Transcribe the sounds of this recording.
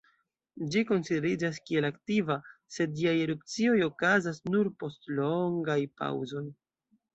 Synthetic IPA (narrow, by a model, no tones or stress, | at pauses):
d͡ʒiko̞nside̞ɾid͡ʒas̬kie̞laktivase̞dd͡ʒiajeɾup̚t͡sio̞jo̞kazasnuɾpo̞stlo̞ŋɡajpa̰wzo̞j